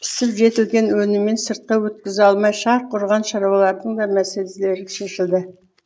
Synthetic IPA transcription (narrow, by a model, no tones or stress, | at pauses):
pʰɪ̥sɪpʒe̞t̪ɪlɡʲe̞nwɵnɪmːe̞nsəɾt̪̚qɑwɵt̪̚kʲɪzɑlˠmɑjʃɑɾqʰʊɾʁɑnʃɑɾwɑlˠɑɾd̪əɴd̪ɑmæselle̞ɾɪʃeʃɪld̪ɪ